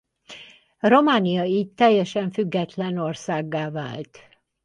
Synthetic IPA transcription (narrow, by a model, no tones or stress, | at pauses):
ro̞maːnijɒitt̪ːɛjːɛʃɛɱfyɡːɛt̪lɛno̞rsaːɡːaːva̰ːlt̪